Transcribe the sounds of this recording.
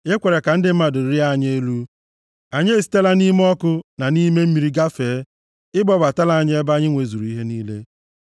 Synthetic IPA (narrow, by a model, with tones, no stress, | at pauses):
ɪ˦kʷe˨ɾe˨ka˨n̩˦dɪ˨m̩˦ma˨dʊ˨ɾi˦a˦˨ɲe˦lu˦ | a˨ɲe˦e˨si̥˨te˦la˦ni˦me˦ɔ˦kʊ˦na˨ni˦me˦m̩˦mi˨˦ɾi˦ɡa˦feː˨˦ | ɪ˦bɔ˦ba˨ta˦la˨a˦˨ɲ˦e˦ba˦ɲɪ˦ŋʷe˨zu˨ɾu˨i˦ɦe˦niː˦le˦